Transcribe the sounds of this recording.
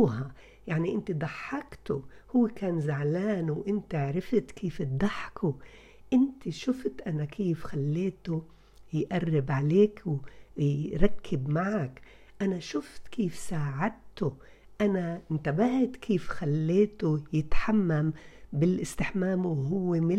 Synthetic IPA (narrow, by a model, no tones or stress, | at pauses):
ɦa | jaʕniʔɪnt̪id̪ˤɑħːɑkt̪ʊhʊwːekaːnzaʕlaːnwʔɪnt̪ɪʕɾɪft̪kʰiːft̪̚d̪ˤɑħkʊ | ʔɪnt̪iʃʊft̪ʔanakʰiːfxalːeːt̪ʊ | jʔarːɪbʕaleːkw | ɾˤɑkʰːɪbmaʕak | ʔanaʃʊft̪kiːfsaːʕad̪̚t̪ʊ | ʔanant̪abaht̪kʰiːfxalːeːt̪ujɪt̪ħamːambɪlʔɪst̪ɪħmaːmwɦʊwːemɪ